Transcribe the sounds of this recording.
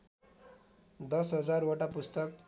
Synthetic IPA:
d̪ʌsɦʌd͡zaroʈapust̪ʌk

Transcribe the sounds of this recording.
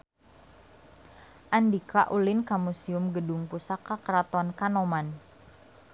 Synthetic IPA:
ʔandikaʔulɪnkamusiʊmɡədʊŋpusakakɾat̪ɔnkanɔman

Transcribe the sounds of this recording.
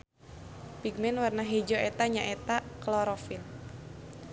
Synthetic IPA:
piɡ̚mɛnwarnaɦɛd͡ʒɔɛt̪aɲaʔɛt̪aklɔɾɔfil

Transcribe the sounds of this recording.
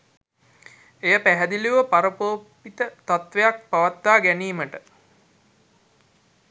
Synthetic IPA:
ejəpæɦɛd̪iliʋəpaɾəpoːpːit̪ət̪at̪ʋejak̚paʋat̪ːaːɡæniːməʈə

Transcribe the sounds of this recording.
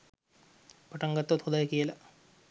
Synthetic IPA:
pɐʈːɐŋɡɐt̪ːot̪ʰod̪ɐjɐkijɐlɐ

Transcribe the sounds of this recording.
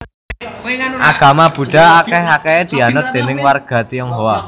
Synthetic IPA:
ʔaɡ̥a̤mab̥ṳɖ̥a̤akɛɦakɛed̪̥i̤anʊt̪̚d̪̥e̤nɪŋwarɡ̥a̤t̪iɔŋɦowa

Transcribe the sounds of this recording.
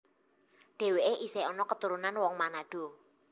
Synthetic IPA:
ɖ̥e̤weʔeʔiseɔnɔkət̪uɾunanwɔŋmanaɖ̥o̤

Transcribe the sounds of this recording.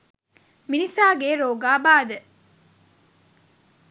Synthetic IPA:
minisaːɡeːɾoːɡaːbaːd̪ə

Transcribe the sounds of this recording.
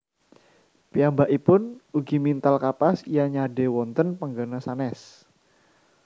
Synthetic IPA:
pijambaʔipʊnuɡimint̪alkapasijaɲadewɔnt̪ənpaŋɡanasanɛs

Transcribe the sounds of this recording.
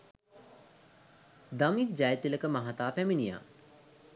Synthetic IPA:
d̪ɐmik̪̚d͡ʒajt̪iləkɐmɐɦat̪aːpɛminija̰ː

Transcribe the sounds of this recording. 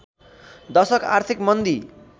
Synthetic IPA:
d̪ʌsʌka̰rt̪ʰikmʌnd̪i

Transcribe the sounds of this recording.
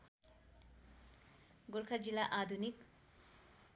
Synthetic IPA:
ɡʊɾkʰad͡zilːaʔad̪ʱunik

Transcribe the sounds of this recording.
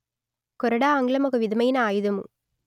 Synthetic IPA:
kɔɾɐɽaːŋɡlɐmɔɣɐʋɪðɐmɐjɪnɐaːjɯðɐmɯ̰

